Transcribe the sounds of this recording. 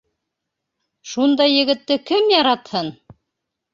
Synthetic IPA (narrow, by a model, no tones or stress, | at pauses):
ʃund̪ɑjːɘ̆ɡɘ̆t̪ːɘkɘmjɑɾɑt̪hɤn